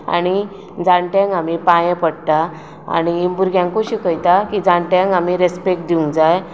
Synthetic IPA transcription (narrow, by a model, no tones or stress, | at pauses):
a̰ɽ̃i | d͡zaɳʈẽŋɡamipãjẽpəɽt̪a | a̰ñiːmbuɾɡjãŋkuɕiːkəjt̪akid͡zãɳʈãŋamiɾespek̚ʈ̚d̪iũŋɡd͡zaj